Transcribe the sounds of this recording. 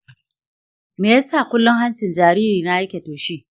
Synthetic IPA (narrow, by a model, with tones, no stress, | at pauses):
meː˨ja˦saː˦˨kʷʊ˦lːʊ˦ŋɦa˦nt͡ʃɪ˨nd͡ʒaː˨ɾiː˦ɾiː˨na˦ʔa˦jkʲe˨toː˨ʃiː˦